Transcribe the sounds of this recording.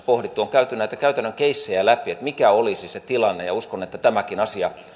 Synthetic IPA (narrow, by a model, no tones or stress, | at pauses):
pohɾit̪ːuoŋkæyt̪ːynæit̪ækæyt̪ænːøŋkeisːejælæpiet̪mikæolisiset̪ilɑnːḛjɑuskonet̪ːæt̪æmækinɑsiɑ